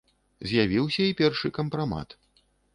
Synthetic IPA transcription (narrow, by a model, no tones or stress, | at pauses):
zʲjavʲiwsʲɐipʲɛrʂɨkɐmpɾama̰t̪